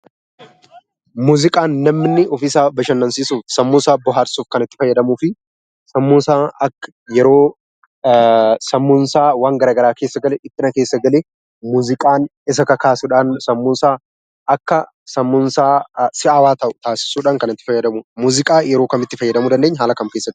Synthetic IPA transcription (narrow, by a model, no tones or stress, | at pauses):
muːzɪkʼaːnːɐmnːɪʔɔfɪsaːbɐʃɐnːɐnsiːsuːfsɐmːʊnsaːbɔɦaːɾsuːfkɐnɪt̪ːɪ̥fɐjːɐd̪ɐmuːfɪ | sɐmːʊnsaːɐkːɐ | jɛɾo̞ː | sɐmːʊnsaːwaːŋɡɐɾaːɡɐɾaːke̞ːsːɐɡɐlɛᶑɪt̪ʼːɪnɐke̞ːsːɐɡɐle | muːzɪkʼaːnɪs̬ɐkɐkaːsʊᶑaːnsɐmːʊnsaː | ʔɐkːɐ | sɐmːʊnsaːsɪɐwaːt̪ɐʔʊ̥t̪aːsɪ̥suːᶑaːŋkɐnɪt̪ːɪ̥fɐjːɐd̪ɐmʊmuːzɪkʼaːjɛɾo̞ːkɐmɪt̪ːɪfɐjːɐd̪ɐmud̪ɐnd̪eɲːɐɦaːlɐkɐmkesːɐɡ